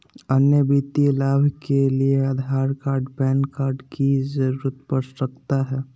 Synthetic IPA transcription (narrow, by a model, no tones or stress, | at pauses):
ənjəbit̪ilaːbʱkeliead̪ʱaːɾkaːɾɖpɛːnkaːɾɖkid͡ʒəɾuɾət̪pəɾsɾəkʰt̪aɦɛː